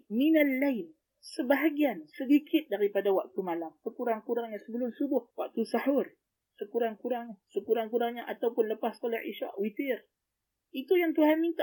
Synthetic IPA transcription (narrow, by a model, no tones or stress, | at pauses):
minalːajl | səbaɦaɡiansədikɪt̪̚daɾipadawak̚t̪umalampəkuɾaŋkuɾaŋɲasəbəlʊmsubʊhwak̚t̪usahʊr | səkuɾaŋkuɾaŋɲsəkuɾaŋkuɾaŋɲaʔat̪awpʊnləpasskolaʔḭʃa̰ʔwit̪ɪr | it̪ujaŋt̪uɦanmint̪a